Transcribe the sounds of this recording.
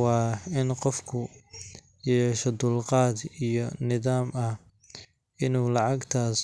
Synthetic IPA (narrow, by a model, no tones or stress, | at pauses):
ɑːɪnqɔfkʰʊ | jɛːʃɔd̪ʊlqɑːd̪ijɔnɪðaːmɐh | ʔɪnuːlɑʕɑɡt̪ʰaːs